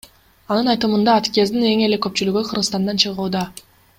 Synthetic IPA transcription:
ɑnɯnɑjt̪ɯmɯnd̪ɑːt̪kʲezd̪ine̞ŋe̞le̞køp̚t͡ʃylyɡøqʰɯɾʁɯst̪ɑnd̪ɑnt͡ʃʰɯʁuːd̪ɑ

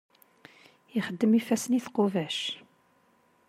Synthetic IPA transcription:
iχəd̪ːəmifæsəniθqovæʃ

